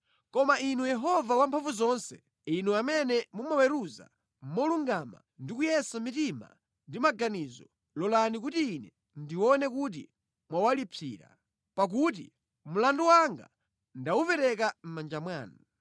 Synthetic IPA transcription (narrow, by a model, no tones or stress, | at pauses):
kɔmainujɛɦɔvawampʰaɱvuzɔnsɛ | inuamɛnɛmumawɛɾuza̰ | m̩mɔluŋɡama̰ndikujɛsamitima̰ | ndimaɡanizɔ | lɔlanik̬utiːnɛ | ndiwɔnɛkut̬i | mwawalipʰḭːɾa̰ | pak̬ut̬i | mulanduwaŋɡa̰ | ndawupɛɾɛk̬am̩mand͡ʒamwaːnu